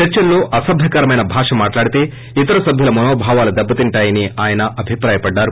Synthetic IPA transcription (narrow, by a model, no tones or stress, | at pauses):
t͡ʃɐɾt͡ʃɐnlo̞ːʔɐsɐbʱɐkɐɾɐmɐjnɐbʱaːʂɐmaːʈlaːɽit̪e̞ː | it̪ɐɾɐsɐbʱjulɐmɐnoːbʱaːʋaːlud̪ɐbːɐt̪iɳʈaːjɐniaːjɐnɐʔɐbʱipɾaːjɐpɐɖːaːɾu